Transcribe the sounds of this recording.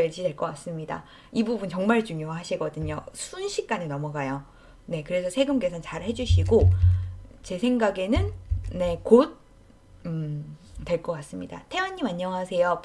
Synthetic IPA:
ʌɭd͡ʑidwe̞ɭk͈ʌk͈as͈ɯmɲida̰ | ibubunt͡ɕʌŋmaɭt͡ɕuŋjoɦaɕʰiɡʌdɯɲo̰sʰunɕʰik̚k͈anenʌmʌɡajo | ne̞kɯɾe̞sʰʌsʰe̞ɡɯmk͈e̞sʰʌnt͡ɕaɾhe̞d͡ʑuɕʰiɡo | t͡ɕe̞sʰeŋɡaɡe̞nɯnne̞kot̚ | twe̞ɭk͈ʌk͈as͈ɯmɲida̰tʰe̞wʌɲːimaɲːʌŋɦasʰe̞jo

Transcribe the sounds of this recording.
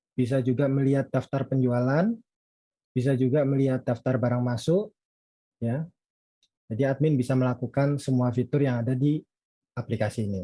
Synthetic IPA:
b̥is̬ad͡ʒuɡaməliɦat̪̚daft̪arpəɲd͡ʒualan | b̥is̬ad͡ʒuɡaməliat̪̚daft̪arbaɾaŋmasʊʔ | ja | d͡ʒadiat̪̚mɪnbisaməlakukansəmuafit̪ʊrjaŋadadi | aplikasiːni

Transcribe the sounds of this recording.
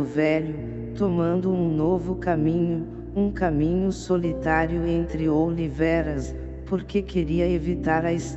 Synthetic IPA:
ʊvɛʎʊ | t̪omɐ̃nd̪ʊũnovʊkamĩɲʊ | ũkamĩɲʊsolit̪aɾjʊẽnt̪ɾɪowlivɛɾɐs | poɾkekeɾiɐevit̪aɾɐes

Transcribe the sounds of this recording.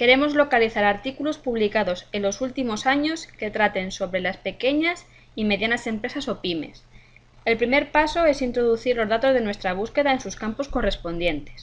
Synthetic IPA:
ke̞ɾe̞mo̞zlo̞kaliθaɾaɾt̪ikulo̞spuβlikaðo̞se̞lo̞sult̪imo̞saɲo̞ske̞t̪ɾat̪e̞nso̞βɾe̞laspe̞ke̞ɲas | ime̞ðjanase̞mpɾe̞saso̞pime̞̰s | e̞lpɾime̞ɾpaso̞e̞sint̪ɾo̞ðuθiɾlo̞zðat̪o̞zðe̞nwe̞st̪ɾaβ̞uske̞ðaensuskampo̞sko̞re̞spo̞nd̪je̞nt̪e̞s

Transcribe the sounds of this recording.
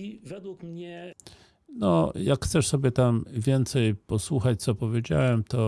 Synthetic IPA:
ivɛd̪wukmɲɛ | nɔjakxt̪sɛʂsɔbʲjɛt̪amvʲjɛnt̪sɛjpɔswuxat͡ɕt̪sɔpɔvʲjed͡ʑa̰wɛmt̪ɔ

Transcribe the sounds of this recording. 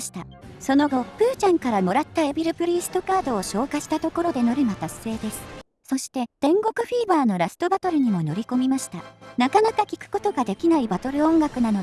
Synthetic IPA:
ɕi̥t̪a | so̞no̞ɡo̞pɯ̟ːt͡ɕãŋkaɾamo̞ɾat̪ːae̞bʲiɾɯ̟pɯ̟ɾʲiːsɨ̥t̪o̞kaːd̪o̞ːɕo̞ːkaɕi̥t̪at̪o̞ko̞ɾo̞d̪e̞no̞ɾɯ̟mat̪asːe̞ːd̪e̞sɨ̥ | so̞ɕi̥t̪e̞d̪̥ẽ̞ŋɡo̞kɯ̟ɸiːbaːno̞ɾasɨ̥t̪o̞bat̪o̞ɾɯ̟ɲ̟imo̞no̞ɾʲiko̞mʲimaɕi̥t̪anakanakakʲi̥kɯ̟̥ko̞t̪o̞ɡad̪e̞kʲinaibat̪o̞ɾɯ̟õ̞ŋɡakɯ̟nano

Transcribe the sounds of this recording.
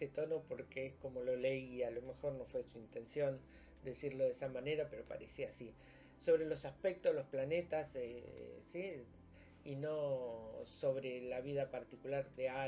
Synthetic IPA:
t̪et̪o̞no̞po̞ɾkeesko̞mo̞lo̞leialo̞me̞xo̞ɾno̞fwe̞suint̪e̞nsjo̞n | d̪esiɾlo̞ðesamane̞ɾape̞ɾo̞pa̰ɾesiasi | so̞βɾe̞lo̞saspek̚t̪oðelo̞splane̞t̪asesi | ino | so̞β̞ɾelaβ̞iðapaɾt̪ikulaɾðea

